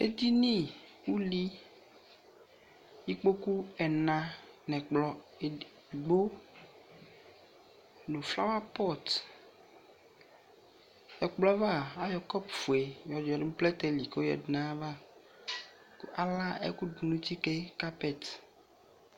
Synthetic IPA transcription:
ḛ˦d̪i˦nĩ˦˨wu˦li˦ | ji˦k͡po˦ku˦ɛ˨nã˨nɛ̃˨k͡plɔ˨e˨ | ɡ͡bo˦ | lo˨fla˦wa˦pɔ˦t̪ | jɔ˨k͡plɔ˦va˦˨a˦jɔ˨kɔ˦pfu˨e˨jɔ˨d͡ʒɔ˨de˦plɛ˦t̪e˦li˨ko˦jɔ̰˨dnã˦va˦˨ | ku˦a˨la˦ḛ˦ku˦du˨nũ˦t̪i˦ke˦ka˦pɛ˦˨t̪

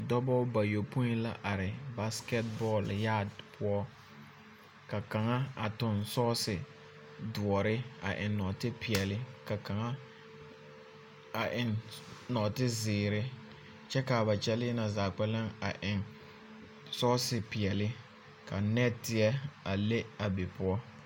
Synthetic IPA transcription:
dɔ˦bɔ˦ba˨jo˨pu˦ĩ˦la˦ʔa˨ɾɪ˨ba˦skɛ˦t̚bɔ˦˨lja˦˨dpʰʊ˦ɔ˦ | ka˨ka˨ŋa˦a˨tʊ˨nsɔː˦sɪ˨ | dʊ˨ɔ˨ɾɪ˦a̰˨ʔɪ˨nɔ˨tɪ˦pɪ˨ɛ˨lɪ˦ka˨ka˨ŋa˦ | a˨ʔɪ˨nnɔ˨tɪ˦zɪː˨ɾɪ˦ | t͡ʃɛ˦ka˨ba˨t͡ʃɛ˦lɪ˦na˨zaː˨k͡pɛ˦la˦ŋa̰˨ʔɪ˨ŋ | sɔ˦sɪ˨pɪ˨ɛ˨lɪ˦ | ka˨nɛ˦tɪ˦ɛ˦a˨le˦a˨be˨pʊ˦ɔ˦

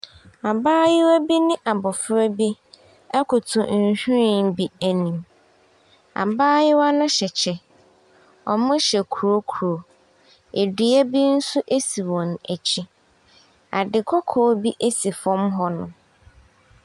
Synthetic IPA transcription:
a˨baː˦jɪ˦wæ˦bi˦nɪ̃˦ʔa˨bɔ˨fɾɛ˦bi˦ | ɛ˦kʰʊ˨tʰʊ̃˨n̩˦˨˦ɕᶣu˦i˦˨n˦bi˦æ˨nĩ˨m | a̰˨baː˦jɪ˦wa˦nʊ̃˦ɕɛ˨t͡ɕʰɛ˨ | ɔ̰˨mʊ̃˦ɕɛ˨kʰu˨ɾo˦kʰu˨ɾo˨ | e˨di˨æ˦bi˦n̩˦sʊ˦ʔe˦si˨wɔ̃˨næ˨t͡ɕʰɪ˦ | a̰˨dɪ˨kʰɔ˦kʰɔː˦bi˦ʔe˦si˨fɔ̃˦mɦɔ˦nʊ̰̃˨

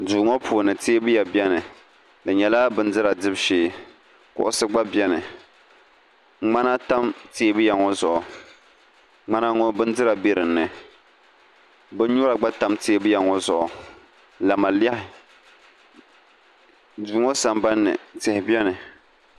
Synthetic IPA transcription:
duː˨ŋɔ˦pʰuː˨nɨ˨te˦bɨ˦ja˨bjɛ˦nɨ˨ | lɨ˨ɲɛ˨laː˦bɨ˦n˦dɨ˦ɾa˨dɨ˦bʃeː˦ | kʊ̰˦ʔʊ˦sɨ˦ɡ͡ba˦bjɛ˦nɨ˨ | ŋ͡ma˦na˦ta˦mte˦bɨ˦ja˨ŋɔ˦zʊ˨ʔʊ˨ | ŋ͡ma˦na˦ŋɔ˦bɨ˦ndɨ˦ɾa˨bi˦ɾɨ˨nːɨ˨ | bɨ˦ɲu˦ɾa˨ɡ͡ba˦ta˨˦mteː˦bɨ˦ja˨ŋɔ˦zʊ˨ʔʊ˨ | la˨ma˨la˦hɪ˨ | duː˨ŋɔ˦sa˨mba˦nːɨ̰˨tɪ˨hɪ˨bɛ˦nɨ˨

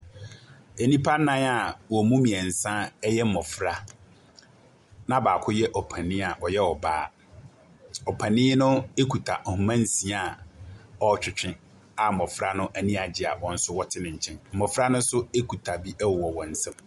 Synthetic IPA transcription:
e˨nĩ˦pʰa˦nã˦a˨wɔ˨mũ˦mĩ˨ɛ˨n̩˨sã˦ɛ˦jɛ˦m̩˨mɔ˨fɾa˦ | nã˦baː˨kʰʊ˦jɛ˦ʔɔ˨pʰã˨nɪ̃˦a˨ʔɔ˨jɛ˦ɔ˨baː˦ | ɔ˨pʰã˨nɪ̃˦nʊ̃˦e˦kʰu˨tʰa˨ʔɔ˨mã˦n˦sĩ˨a˨ | ɔ˦t͡ɕᶣʰɪ˨t͡ɕᶣɪ̃˦ | a˨mɔ̃˨fɾa˦nʊ̃˦ʔæ˨nĩ˦a˨d͡ʑɪ˨a̰˨wɔ̃˨n̩˦sʊ˦wɔ˦tʰɪ˦nɪ̃˨ɲ̩˨t͡ɕʰɛ̃˦nm̩˨mɔ̃˨fɾa˦nʊ̃˦n̩˦sʊ˦e˦kʰu˨tʰa˨bi˦ʔɛ˦wwɔ˨wɔ̃˨n̩˦sɛ̃˦m

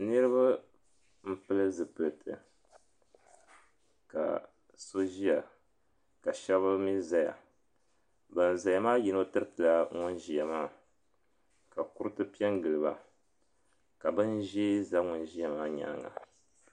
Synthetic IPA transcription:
nɨ˦ɾɨ˦βa˦ | m̩˦pɨ˦lɨ˦zɨ˨pɨ˨lɨ˨tʰɨ̰˨ | ka̰˨ | so˦ʒi˦a˨ | ka˨ʃɛ˦βɨ˦mi˦za˦ja̰˨ | bɨ˨n˨za˨ja˨maː˦ji˨no˦tɨ˦ɾɨ˦tɨ˨la˦ŋʊ˦nʒi˨ja˨maː˦˨ | ka˨ku˦ɾɨ˦tɨ˦pi˦ɛ˦ŋɡɨ˨lɨ˨ba̰˨ | ka˨bɨ˦nʒe˦za˦ŋʊ˦nʒi˦a˨maː˦ɲa̰˨˦ŋa̰˨

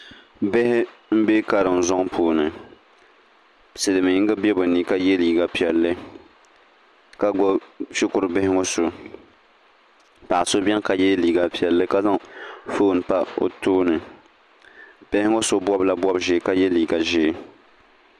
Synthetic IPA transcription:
bɪ˦hɪ˦m̩˦be˦ka˨ɾɨ˨m˨zɔ˦ŋpʰuː˨nɨ˨ | sɨ˨lɨ˨mɨ˨ɪ˦ŋ˦ɡɨ˦bɛ˦bʊ˨ni˦ka˦jɛ˦liː˨ɡa˦pi˨ɛ˨lːɨ˦ | ka˦ɡɔ˦ʃɪ˦kʊ˨ɾɨ˨bɪ˦hɪ˦ŋo˦so˨ | pa˨ʔso˦bɛ˦ŋ˦ka˨jɛ˦liː˨ɡa˨pi˨ɛ˨lːɨ˦ka˦za˦ŋfoː˦˨n˨pa˦o̰˨toː˦nɨ˨ | b̥ɪ˦hɪ˦ŋo˦so˦bwɔ˦bla˦bwɔ˦bʒɛ˦ka˦jɛ˦liː˨ɡa˨ʒɛ˦

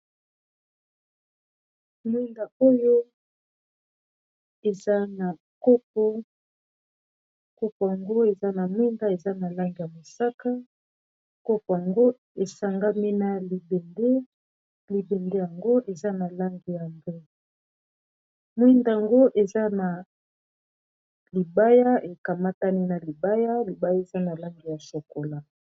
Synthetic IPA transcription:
mwi˦nda˨o˦jo˦ | e˨za˦na˨ | ko˦p̚o˦ | ko˦po˨ja˨ŋɡo˦e˨za˦na˨mwi˦nda˦e˨za˦na˨la˦ŋɡi˨ja˨mo˨sa˦ka˦ | ko˦po˨ja˨ŋɡo˦ | e˨sa˨ŋɡa˦mi˦na˨li˨be˨nde˦ | li˨be˨nde˦ja˨ŋɡo˦ʔe˨za˦na˨la˦ŋɡi˨ja˨ŋɡe˦ | mwi˦nda˨a˨ŋɡo˦ʔe˨za˦na˨ | li˨ba˦ja˦e˨ka˨ma˦ta˦ni˦na˨li˨ba˦ja˦li˨ba˦ja˦e˨za˦na˨la˦ŋɡi˨ja˨so˨ko˨la˨

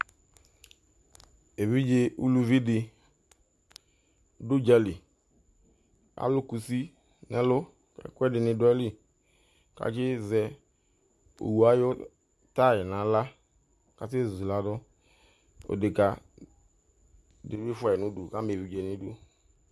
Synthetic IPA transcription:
e˨vi˦d͡ʒe˧ṵ˦lu˧vi˦dɪ˧˨ | du˦d͡ʒɛ˧li˨ | a̰˨˦lʊ˦ku˨si˦ | nɛ˦lo˦ | ɛ̰˨kwɛ˦dɪ˨nɪ˧dʊ˦ɛ˦li˦ | ka̰˨ki˦zɛ˧ | o̰˨wu˨a˦jo˦ | ta˦˨jɪ˨na˨˦la˦ | ka˨se˦˨zu˨i˨la˨dʊ˦ | o̰˨de˨ka˨ | de˨vi˦fʷɛ˨nu˦du˨ka˦me˨vi˨d͡ʒe˨ni˦du˦

